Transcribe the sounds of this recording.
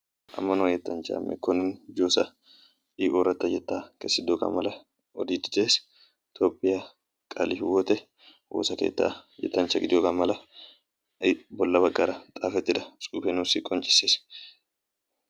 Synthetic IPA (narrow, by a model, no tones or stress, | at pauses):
ʔɐ̰mːɐnojɛt̪ːɐnt͡ʃɐ̰ɐ̰mʔɛ̰kːɔnɪnd͡ʒoːsɐ | iːʔoːɾɐt̪ːɐjɛt̪ːaːkɛsːɪd̪ːokɐ̰mɐlɐ | ɔd̪iːd̪ɪ̥d̪eːs | t̪oːpʼːɪja | kʼɐlifɪwɔt̪ɛ | wo̰sɐkḛːt̪ːa̰jɛ̰t̪ːɐnt͡ʃːɐɡɪd̪ɪjokɐmɐlɐ | bɔlːɐbɐkʼːɐɾɐt̪ʼaːfɛt̪ːɪd̪ɐsʼuːfenusɪkʼɔnt͡ʃʼɪ̥seːs